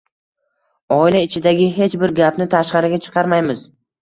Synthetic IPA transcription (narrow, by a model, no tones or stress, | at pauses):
ɒɪlaɪt͡ʃʰɪd̪aɡʲɪɦe̞t͡ʃbɪɾɡʲapnɪt̪ʰaʃqɑɾɪɡʲat͡ʃʰɨ̥qʰɑɾmajmɪz